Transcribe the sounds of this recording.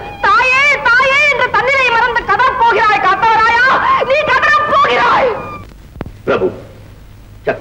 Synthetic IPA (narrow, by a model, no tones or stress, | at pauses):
t̪aːjeːt̪aːjeːɛndrɐt̪ɐnːɪlɐɪmɐɾɐnd̪ɐkɐðɐɐpːoːɣɪɾaːjkaːt̪ːaːɾaːjaːniːkɐðɐɾɐpːoːɣɪɾaːj | pɾɐbʱṵ | t͡ʃɐk